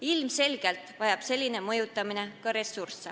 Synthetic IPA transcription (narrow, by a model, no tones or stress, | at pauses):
ilmse̞lɡ̥e̞lt̪ˑvɑjɑb̥se̞lʲːine̞mɤ̞jut̪ːˑɑmine̞kɑɾe̞sːursːe